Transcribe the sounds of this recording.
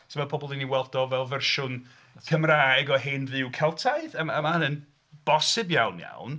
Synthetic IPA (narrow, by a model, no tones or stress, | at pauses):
sʰemapʰɔbɔlˠiniwɛlˠdɔvɛlˠvɛrʃʊn | kʰəmraːjɡɔɦeːnðɪwkʰɛlˠtʰajðəməmanən | b̥ɔsɪbjawnja̰wn